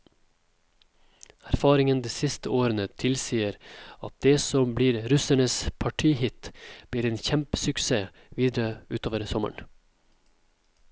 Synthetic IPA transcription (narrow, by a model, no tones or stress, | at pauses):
æɾfɑːɾɪŋənd̪eːsɪst̪əoːɾənət̪ʰɪlsiːəɾɑt̪̚d̪eːsɔmbliːɾɾʉsæɳəspʰɑʈʰiːhɪt̪b̥liːɾeːnçɛmpə̥sʉkseː | ʋiːd̪ɾəʉːt̪ʰoːʋəɾsɔmə̰ɳ